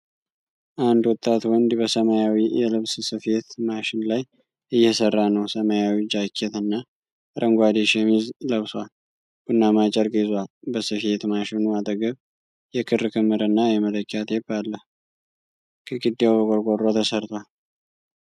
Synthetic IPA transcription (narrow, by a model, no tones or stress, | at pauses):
ʔand̪wɔt̪ʼːat̪wɔnd̪bəsəmajawijɛlɨβssɨfet̪maʃɪnlaj | ʔɨjːɛsərːanəwsəmajawid͡ʒakʰːet̪ɨnːa | ɾʔəŋɡʷad̪eʃemizləβsal | ɡ̥unːamat͡ʃʼɛɾkʼizwalbəsɨfet̪maʃɪnuat̪ʼəɡəβ | jɛkʰɨrkʰɨmːɨɾɨnːajɛmələkʰʼːat̪jɛbalːəh | kʰɨɡɨd̪ːewbəɡʼoɾɡʼorːo̞t̪ʰəsəɾt̪ʰal